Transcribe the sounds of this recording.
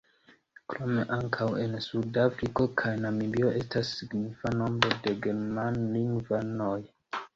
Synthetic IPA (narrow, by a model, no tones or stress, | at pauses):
kɾo̞me̞ʔaŋkʰawe̞nsudafɾiko̞kʰajnamilio̞ʔe̞stasːiɡnifano̞mbɾo̞de̞ɡe̞ɾmanliŋɡvanoj